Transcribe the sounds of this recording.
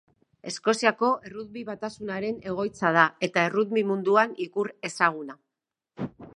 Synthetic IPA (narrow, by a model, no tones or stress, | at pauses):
e̞sko̞siako̞ʔe̞ruðbiβat̪asunaɾe̞ne̞ɣ̞o̞jt͡sað̞ae̞t̪ae̞ruðmimund̪uanikuɾe̞saɣ̞una